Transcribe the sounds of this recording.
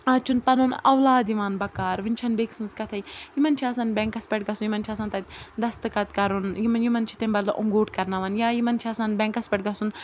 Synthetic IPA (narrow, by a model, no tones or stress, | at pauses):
aːt͡ʃʰunpɐnunɐwlaːd̪iʋaːnbɐkaːɾʋinʲt͡ʃʰɐnbeːksɨnzkɐt̪ʰɐjjimɐnt͡ʃʰaːsanbʲɛŋkɐspʲɐʈ̚ɡɐsunjimɐnt͡ʃʰaːs̬aːnt̪ɐt̪̚ʲd̪ɐst̪ɨkɐt̪kɐɾunjimɐnjimɐnt͡ʃʰi̥t̪embɐɾlɐʔuŋɡoːʈkɐɾnaʋɐnjaːjimɐnt͡ʃʰiaːsanbɛ̃ŋkɐspɐʈ̚ɡɐsun